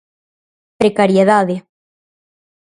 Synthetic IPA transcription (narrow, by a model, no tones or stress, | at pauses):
pɾekaɾjeðaðe